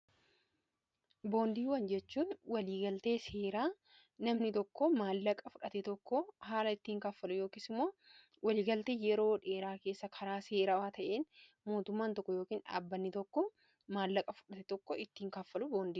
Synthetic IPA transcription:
bo̞ːnd̪iːwɐnd͡ʒɛt͡ʃːuːnwɐliːɡɐlt̪e̞ːseːɾaː | nɐmnɪt̪ɔkːɔmaːlːɐkʼɐfʊᶑɐt̪ɛt̪ɔkːɔhaːlɐɪt̪ːiːŋkaːfːɐlʊjo̞ːkisɪmːoː | wɐliːɡɐlt̪e̞ːjɛɾo̞ːᶑe̞ːɾaːke̞ːsːɐkʰɐɾaːse̞ːɾaːwaːt̪ɐʔeːn | moːt̪ʊmːaːnt̪ɔkːɔjoːkiːnᶑa̰ːbːɐnːɪt̪ɔkːɔ | maːlːɐkʼɐfʊ̥ᶑɐt̪ɛt̪ɔkːɔɪt̪ːiːŋkafːɐlʊboːnd̪iː

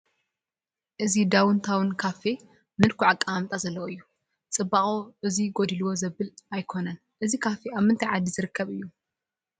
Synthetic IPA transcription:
ʔɨzid̪awɨnt̪ʰawɨnkʰafe | mɨlkʰuʕakʼːaamt̪ʼazɐlːɐwoɨjːu | t͡sʼɨbaχʼoʔɨziɡod̪iluwo̞zɐbɨlajkʰo̞nɐn | ʔɨzikʰafeaβmɨnt̪ʰajʕad̪izɨɾɨkʰːɐβɨjːu

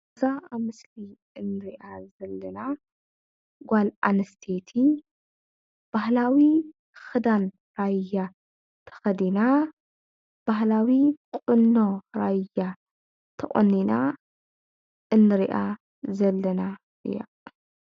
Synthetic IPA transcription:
zaaβmɨsli | ɨnːɨɾiʔazɐlːɐna | ɡʷalʔanɐst̪ʰet̪ʰi | b̥ahlawi | xɨd̪an | ɾaja | t̪ʰɐ̥xɐd̪ina | b̥ahlawikʼɨnːoɾaja | t̪ʰɐʔʼo̰nːina | ʔɨnːɨɾiʔa | zɐlːɐna | ʔɨ̰ja̰

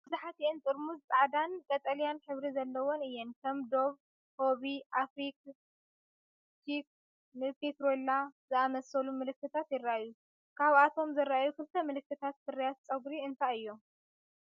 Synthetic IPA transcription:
b̥ɨzuħat̪ient̪ʼɨɾmuzt͡sʼaʕd̪ankʼɐt̪ʼɐlijanħɨβɾizɐlːɐwonɨjːɛnkʰɐmd̪o̞β | ho̞βiʔafɾik | tik | nɨpʰet̪ɾolazɨamɐsɐlumɨlɨkːɨt̪ʰat̪jɪrːaʔaju | kʰaβat̪ʰo̞mzɨrːaʔajukʰɨlt̪ʰɐmɨlɨkːɨt̪ʰat̪sɨɾijat̪t͡sʼɐɡɾiɨnt̪ʰaɨjːo

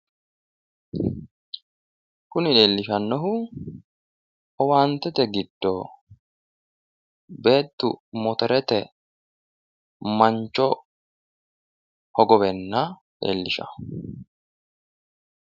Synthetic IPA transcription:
kʊnɪᶑe̞ːlːɪʃɐnːɔɦʊ | ʔɔwaːnt̪ːɛt̪ɛɡɪd̪̥ːɔ | be̞ːt̪ːʊmɔt̪ɔɾɛt̪ɛ | mɐɲt͡ʃːɔ | hɔɡɔβɛnːɐ | ᶑḛːlːɪʃɐ̰

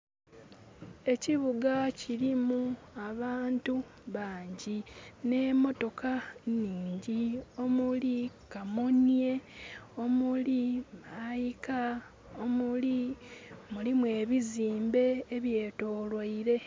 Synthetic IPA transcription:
e̞ciβuɡaciɾimuaβaːntuβaːɲɟine̞mo̞to̞kaniːɲɟio̞mulikamonieo̞mulimajika | omuli | mulimwe̞ːβiziːmbe̞ːβje̞ːto̞ːlwaiɾe̞

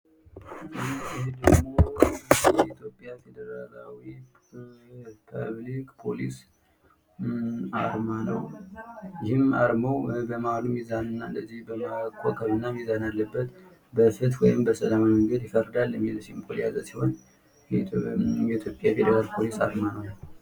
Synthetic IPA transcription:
hed̪əd͡ʒmojɛit̪ʰjo̞pʼːjafe̞d̪əɾalawi | pʰə̰βlikʼpʰo̞lis | a̰ɾmanə̰w | jɪhɨmaɾməwbəmaɾumizanɨnːaɨnd̪əzːihbəmakʰokʼʰəβɨnːamizanalːəbːət̪ | bəfɨt̪wɔjɪmbəsəlamaməŋɡəd̪jɪfəɾəd̪alːjɛmːilsihmpʰolija̰zəsiho̞n | jɛt̪ʰjo̞pʼjafed̪əɾalpʰo̞lisa̰ɾmanəw

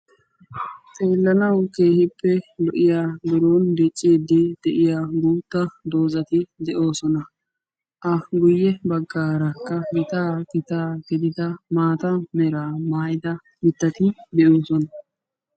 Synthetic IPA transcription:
t̪ʼe̞ːlːɐnɐwke̞ːhɪpːɛlɔʔɪjaːɡɪɾoːnb̪ɛt͡ʃʼːeːd̪ɪd̪̥ɛʔɪjaːɡuːt̪ːɐd̪o̞ːzɐt̪ɪd̪ɛʔo̞ːsɔnɐ | ʔɐɡʊjːɛbɐɡːaːɾɐkːɐɡɪt̪aːkɪt̪aːɡɛd̪ɪd̪ɐmaːt̪ɐmɛɾaːmaːjd̪ɐ | mɪt̪ːɐt̪ɪd̪ɛoːsɔnɐ

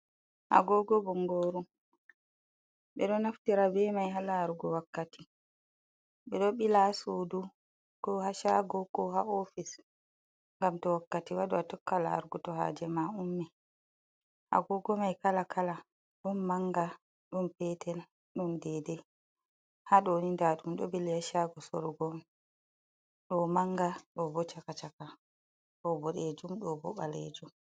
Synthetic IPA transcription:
ha̰ɡɔɡɔbɔŋɡoːɾu | ɓɛɗɔnaftiɾabɛmajɦalaːɾɡɔwakːati | ɓɛɗɔɓilasuːdu | kɔhaʃaɡɔkɔhaofis | ŋɡamtɔwakːatiwaduatɔkːala̰ːɾɡɔtɔɦa̰ːd͡ʒɛmaumːɛ | ha̰ɡɔɡɔmajkalakʰala | ɗunːaŋɡa | ɗumpɛtɛl | ɗundɛdɛ | haɗɔnindaɗumɗɔbilihaʃaɡɔsɔ̰ɾɔɡɔm | ɗɔmaŋɡaɗɔbɔt͡ʃakat͡ʃaka | ɗɔbɔɗed͡ʒumɗɔbɔ̰ɓalḛd͡ʒum

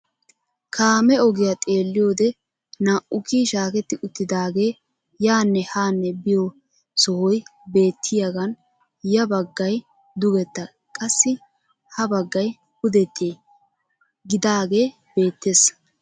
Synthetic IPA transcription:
kʰaːmɛɔɡɪjat̪ʼeːlːɪjo̞ːd̪ɛ | naːʔʊkiːʃaːkɛt̪ːɪʔʊt̪ːɪd̪aːɡe̞ː | jaːnːɛhaːnːɛbɪjɔ | sɔhɔjbe̞ːt̪ʰːɪjaɡɐn | jɐbɐɡːɐj | d̪ʊɡɛt̪ːɐ | kʼɐsːɪ | hɐbɐɡːɐj | hʊd̪ɛt̪ʰːe | ɡɪd̪aːɡe̞ː | b̥e̞ːt̪ːeːs

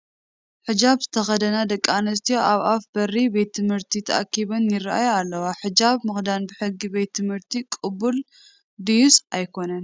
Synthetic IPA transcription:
ħɨd͡ʒaβzɨt̪ʰɐxɐd̪ɐnad̪ɐkʼːanɐs̬t̪ʰijoʔaβafbɐribe̞t̪ʰːɨmhɨɾt̪ʰit̪ʰɐʔa̰kʰːiβɐnjɪraʔa̰jalːɐwaħɨd͡ʒaβmɨxd̪anbɨħɨɡːibe̞t̪ʰːɨmhɨɾt̪ʰikʼɨbul | d̪ijusajkʰo̞nɐn

